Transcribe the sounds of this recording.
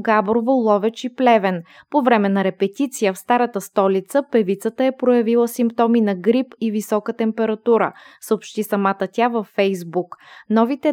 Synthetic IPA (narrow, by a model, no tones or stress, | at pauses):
ɡabɾovolˠɔvɛt͡ʃiplɛvɛnpovɾɛmɛnɐɾɛpɛt̪it̪sijəfst̪aɾət̪əst̪ɔlit̪səpɛvit̪sət̪əɛpɾojɐvilˠəsimpt̪ɔminɐɡɾipivisɔkət̪ɛmpɛɾɐt̪uɾə̰səopʃt̪isɐmat̪ət̪ʲavəfːɛjzbuknɔvit̪ɛ